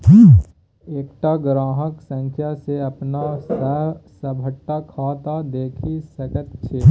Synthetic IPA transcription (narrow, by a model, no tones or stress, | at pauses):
eːkʈaɡɾaːɦəksə̃ŋkʰjaseɐpnassəbʱəʈːakʰaːt̪ad̪eːkʰisɐkət̪t͡ʃʰeː